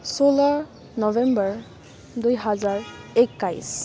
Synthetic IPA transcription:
solaɹ | nɔvɛmbəɹ | dujɦazaɹɛkːajs

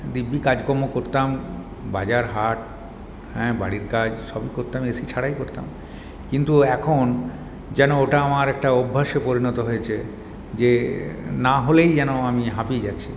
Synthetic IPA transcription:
d̪ibːikad͡ʑkɔmokoɾt̪am | bad͡ʑaɾɦaʈ̚ | hɛ̃ba̰ɽiɾkad͡ʑʃɔbikoɾt̪amesit͡ɕʰaɽajkoɾt̪a̰m | kint̪uɛkʰon | d͡ʑɛnooʈaamaɾɛk̚ʈaobʱːaʃepoɾinɔt̪oɦojet͡ɕʰe | d͡ʑenaɦolejd͡ʑɛnoamiɦapied͡ʑatːɕʰi

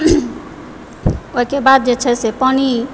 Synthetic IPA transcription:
oikebad̪̚d͡ʒet͡ʃʰɛsepɔni

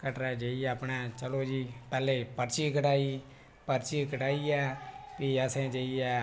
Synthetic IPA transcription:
kəʈɾɛːd͡ʒeiɛːəpɳɛːt͡ʃəloːd͡ʒiːpɛːleːpəɾt͡ʃiːkəʈaːiː | pəɾt͡ʃiːkəʈaːiːɛːpiːəsẽːd͡ʒeːiːɛː

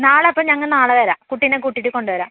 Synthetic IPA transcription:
naːɭepːɐːɲɐŋːɐɭnaːɭɐʋɐɾaːkuʈːinek̬uʈːiʈːɨko̞ɳɖɨʋɐɾa̰ːm

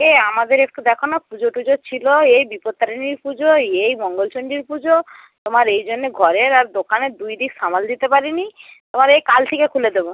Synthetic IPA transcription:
eamad̪eɾek̚ʈud̪ɛkʰonapud͡ʑoʈud͡ʑot͡ɕʰiloejbipot̪ːaɾiniɾpud͡ʑoejmɔŋɡolt͡ɕoɳɖiɾpud͡ʑo | t̪omaɾejd͡ʑonːeɡʱɔɾeɾaɾd̪okaneɾd̪ujd̪ikʃamald̪it̪epaɾinit̪omaɾejkalt̪ʰikekʰuled̪ebo

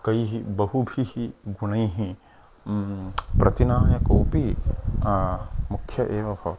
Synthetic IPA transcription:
kɐiɦibɐɦubʱihiɡuñɐiɦĩ | pɾʔɐt̪inaːjɐkoːpi | mukʰjɐʔeːʋɐbʱɐ

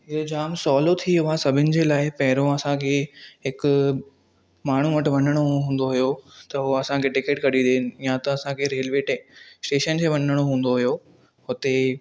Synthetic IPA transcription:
ɦɪod͡ʑaːmsɔːlot̪ʰiɦʊɦãsɐbʱɪnɪ̆d͡ʑeːlaːɪpɐɦɪɾõɐsãkʰeɦɪkʊ | maːɳ̤uʋɐʈɪ̆ʋɐnəɽ̃oɦũːn̆d̪oɦʊjot̪ɐɦuɐsãkʰeʈɪkeːʈkɐɗĩd̪eɪnɪ̆jãt̪ɐɐsãkʰeɾeːlʋeːʈesʈeːʃənkʰeːʋɐnəɽ̃oɦũːn̆d̪oɦijo | ɦʊt̪e

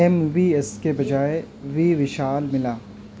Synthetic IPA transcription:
ɛmʋiɛskebɐd͡ʒaːe | ʋiʋɪʃaːlmɪlaː

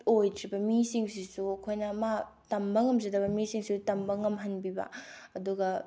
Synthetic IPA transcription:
ojdɾibɐmisiŋsisuɐkʰojnɐmatɐmbɐŋɐmzidɐβɐmisiŋsutɐmbɐŋɐmɦɐnbibɐ̰ɐduɡɐ

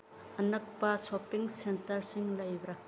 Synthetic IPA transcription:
ɐnɐk̚pɐsopiŋsentɐɾsiŋlɐjbɾɐ

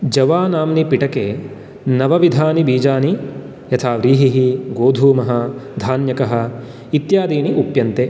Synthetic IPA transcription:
d͡ʒɐʋaːnaːmnipiʈɐkeː | nɐʋɐʋid̪ʱaːnibiːd͡ʒaːni | jɐt̪ʰaːʋɾiːɦiɦiɡoːd̪ʱuːmɐɦɐd̪ʱaːnjɐkɐɦɐ̆ | it̪jaːd̪iːniʔupjɐnt̪e

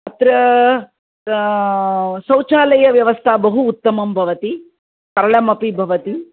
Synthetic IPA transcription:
ɐt̪ɾɐ | sɐwt͡ʃaːlɐjɐʋjɐʋɐst̪ʰabɐɦuːt̪ːɐmɐmbʱɐʋɐt̪i | kɐɾɐɭɐmɐpibʱɐʋɐt̪i

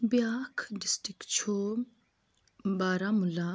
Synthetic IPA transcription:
bjaːkʰɖɪsʈikt͡ʃʰo | baːɾamula

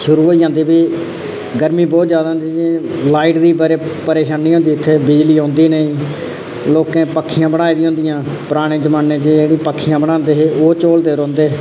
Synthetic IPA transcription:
ʃʊɾuːɦoːiːd͡ʒãːnd̪iːbiː | ɡəɾmĩːbɔːt̪zjaːd̪aɦõːnd̪iːelaːiʈd̪iːbaɾeːpəɾeːʃaːniːɦõːnd̪iːɪt̪ʰːeːbɪd͡ʒliːɦõːnd̪iːnəĩː | loːkẽːpəkʰːɪjãːbəɽ̃aːiːd̪ĩːɦõːnd̪ijãːpəɾaːɽ̃eːd͡ʒəmaːneːd͡ʒeeːɽ̃ĩːpəkʰːijãːbəɽ̃ãːnd̪eːɦeːʔoːt͡ʃoːld̪eːɾɔ̃ːnd̪eː

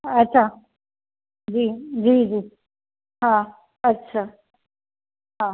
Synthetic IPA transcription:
ətːɕʰaː | d͡ʑiːd͡ʑiːd͡ʑiː | ɦã | ətːɕʰaː | ɦã

